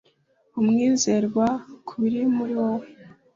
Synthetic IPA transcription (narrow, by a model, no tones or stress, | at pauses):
umŋiːzeɾɡwakʰuβiɾimuɾiwow